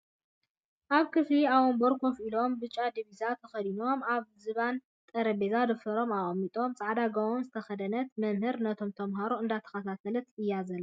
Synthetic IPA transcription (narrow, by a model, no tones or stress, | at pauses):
ʔaβkʰɨfliaβomboɾkʰofilo̞mbɨt͡ʃʼːad̪iβizat̪ʰːɐxɐd̪ino̞maβzɨβan | t̪ʼɐɾɐbezad̪ɨfɐɾo̞maʔʼmːit̪ʼo̞mt͡sʼaʕd̪aɡɐwonzɨt̪ʰɐxɐd̪ɐnɐt̪mɐmhɨɾnɐt̪ʰo̞mt̪ʰɐmɦaɾoɨnd̪at̪ʰɐ̥xɐt̪ʰat̪ʰɐlɐt̪ɨjːazɐl